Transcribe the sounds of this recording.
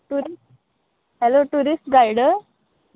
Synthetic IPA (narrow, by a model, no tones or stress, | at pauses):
ʈui | hɛloʈuɾisʈɡajɽə